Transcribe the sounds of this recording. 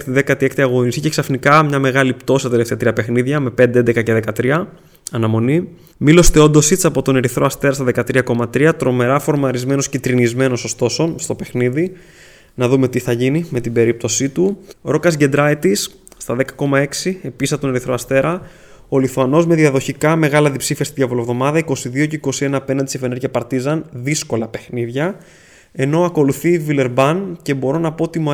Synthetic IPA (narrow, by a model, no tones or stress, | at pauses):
xt̪iðekɐt̪iekt̪iɐɣo̞nisiceksɐfnikɐmɲɐme̞ɣɐlipt̪o̞st̪ɐt̪e̞le̞ft̪eɐt̪ɾiɐpe̞xniðʝɐme̞pe̞nd̪eend̪ekɐceðe̞kɐt̪ɾiɐ | ɐnɐmo̞ni | milo̞st̪e̞o̞nd̪o̞sit͡sɐpo̞t̪o̞ne̞ɾiθɾo̞ɐst̪e̞ɾɐst̪ɐðe̞kɐt̪ɾiɐko̞mɐt̪ɾiɐt̪ɾo̞me̞ɾɐfo̞ɾmɐɾizme̞no̞scit̪ɾinizme̞no̞sost̪o̞so̞st̪o̞pe̞xniði | nɐðume̞t̪iθɐʝinime̞t̪ibe̞ɾip̚t̪o̞sit̪uɾo̞kɐsɟe̞nd̪ɾɐit̪isː | t̪ɐðe̞kɐko̞mɐe̞ksiepisɐt̪onɾiθɾoɐst̪e̞ɾɐ | o̞liθuɐno̞zme̞ðiɐðo̞çikɐme̞ɣɐlɐðipsifiɐst̪iðʝɐvolovðo̞mɐðɐiko̞siðio̞ceiko̞sie̞nɐːpe̞nɐnd̪isefe̞neɾʝɐpɐɾt̪izɐnðisko̞lɐpe̞xniðʝɐ | e̞no̞ɐko̞luθivile̞ɾbɐnce̞bo̞ɾo̞nɐpo̞ot̪imu